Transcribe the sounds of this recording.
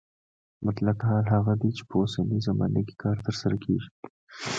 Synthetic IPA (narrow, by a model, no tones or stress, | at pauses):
mat̪lat̪ɦɑːlɦaɣad̪it͡ʃe̥posanizamɑ̰ːnaɡi̥kɑːɾt̪əɾsaɾakʰeʒi̥